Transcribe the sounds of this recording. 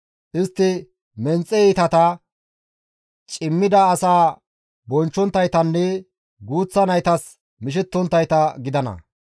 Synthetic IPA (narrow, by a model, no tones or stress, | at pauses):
ʔɪst̪ːɪ | mɛnt͡sʼːɛit̪ɐt̪ɐ | t͡ʃʼɪmːɪd̪ɐːsaː | bɔnt͡ʃːɔnt̪ːɐjt̪ɐnːɛ | ɡuːt͡sːɐnɐjt̪ɐs | mɪʃ̬ɛt̪ːɔnt̪ːɐjt̪ɐɡɪd̪ɐnɐ̰